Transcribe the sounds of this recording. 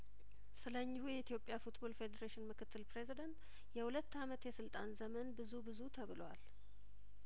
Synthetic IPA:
sɨləɲːɪhujɛit̪ʰjo̞pʼːjafut̪bo̞lfe̞d̪eɾeʃɪnmɨkʰɨt̪ʰːɨlpɾe̞zid̪ənt̪ | jɛhulət̪ːamət̪jɛsɨlt̪ʼanzəmənbɨzubɨzut̪ʰəβɨlwa̰l

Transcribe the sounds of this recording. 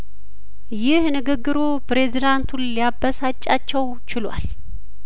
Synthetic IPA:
jɪhnɨɡɨɡːɨɾopɾe̞zid̪ant̪ʰunlijabːəsat͡ʃʼːat͡ʃːɛw | t͡ʃɪlwa̰l

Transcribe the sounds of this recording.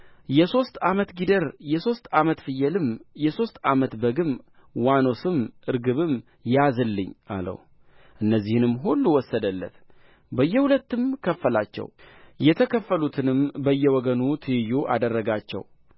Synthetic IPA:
jɛso̞st̪amət̪ɡid̪əɾjɛso̞st̪amət̪fɨjɛlɨmjɛso̞st̪a̰mət̪bəɡɨm | wano̞sɨmʔɨɾɡɨβɨm | jazɨlːɨɲːʔa̰lə̰w | ʔɨnːəzːihɨnɨmːɦulːuwɔsːəd̪əlːə̰t̪ | bəjːɛhulət̪ːɨmkʰəfːəlat͡ʃːɛ̰wjɛt̪ʰəkʰəfːəlut̪ʰɨnɨmbəjːɛwɔɡənut̪ʰɨjuʔa̰d̪ərːəɡat͡ʃːɛ̰w

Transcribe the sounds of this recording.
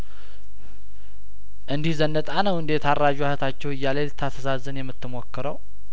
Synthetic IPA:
ʔɨnd̪ihzənːət̪ʼanəwɨnd̪e̞t̪arːad͡ʒuhət̪ʰat͡ʃːɛwɨjːalelt̪ʰat̪ʰəsazːənjɛmːɨt̪ːɨmo̞kːɨɾəw

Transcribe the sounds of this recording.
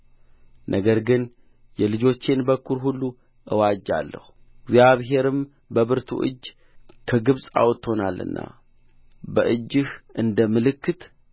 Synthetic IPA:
nʔəɡəɾɡɨn | jɛlɨd͡ʒo̞t͡ʃːenbəkːuɾɦulːu | ʔɨwad͡ʒa̰lːə̰hu | ɪɡzjaβɦe̞ɾɨm | bəβɨɾt̪ʰṵʔɨ̰d͡ʒː | kʰəɡɨβsʼa̰wɔt̪ːho̞nalːɨ̰nːʔa̰ | bəʔɨd͡ʒːɨhʔɨnd̪əmɨlɨkːɨt̪

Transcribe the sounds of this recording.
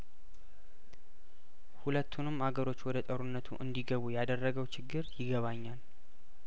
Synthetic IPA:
hulət̪ʰːunɨmhaɡəɾo̞t͡ʃːwɔd̪ət̪ʼəɾunːət̪ʰṵʔɨnd̪iɡəβujad̪ərːəɡəwt͡ʃʰɪɡːɨɾjɪɡəβaɲːal

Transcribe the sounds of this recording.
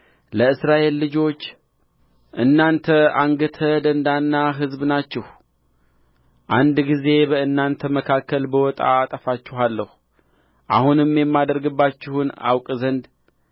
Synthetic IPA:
ləɨsɾaʔe̞lːɨd͡ʒo̞t͡ʃː | ʔɨnːant̪ʰəaŋɡət̪ʰəd̪ənd̪anːaɦɨzbnat͡ʃːɪh | ʔand̪ɡize̞bəɨnːant̪ʰəməkʰakːəlbəwɔt̪ʼa̰ːt̪ʼəfat͡ʃːɪhalːəhu | ʔahunɨmːjɛmːad̪əɾɡɨbːat͡ʃːɪhuna̰wkʼzənd̪

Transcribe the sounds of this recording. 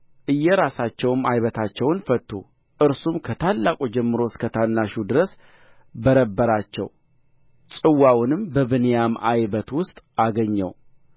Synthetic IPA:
ʔɨjːɛɾasat͡ʃːɛwɨmajβət̪ʰat͡ʃːɛwnfət̪ʰːṵ | ʔɨɾsumkʰət̪ʰalːakʼud͡ʒɛmːɨɾo̞skʰət̪ʰanːaʃud̪ɨɾəs | bəɾəbːəɾat͡ʃːɛ̰w | t͡ʃʼɨwːawnɨmbəβɨnijamajβət̪wʊst̪ʼaɡəɲːɛ̰w

